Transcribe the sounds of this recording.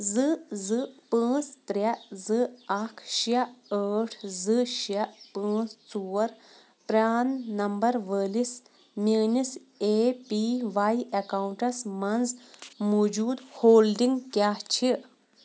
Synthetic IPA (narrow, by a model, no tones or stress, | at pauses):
zɨzɨpə̃ːt͡st̪ɾʲɐzɨɐkʰʃjɐəːʈʰzɨʃɐʔpə̃ːt͡st͡suːɾ | pɾʲaːnːɐmbɐɾʋəːlis | miːnis | eːpiʋajekawuɳʈɐsmɐnd͡zmoːd͡ʒuːd̪hoːlɖiŋɡkjaːht͡ʃʰi